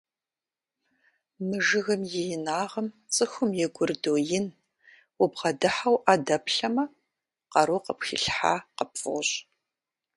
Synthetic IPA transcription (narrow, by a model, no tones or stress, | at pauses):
mɨʒɨɣɐmjɛjɪnaːʁɐm | t͡sʼɨxʷʊmjɛɡʷʊrdojɪn | wʊbʁɐdɨħawʔaːdɐpʰɬɐmɐ | qɐɾoqəpxḭɬħa̰ːqəpfɨ̰ʁɕ